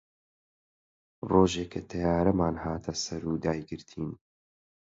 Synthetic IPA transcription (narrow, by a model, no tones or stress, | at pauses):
roːʒeːkʰat̪ʰɐjaːɾɐmaːnhaːt̪ʰɐsɐɾuːd̪aːjɡɨɾt̪ʰiːn